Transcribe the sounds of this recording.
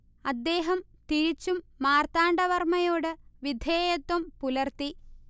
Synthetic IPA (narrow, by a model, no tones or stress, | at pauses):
ɐd̪ːe̞ːɦɐmt̪iɻit͡ɕːumːaːrt̪aːɳɖɐʋɐrmɐjo̞ːɽɨʋid̪ʱeːjɐt̪ːwɐmpulɐrt̪i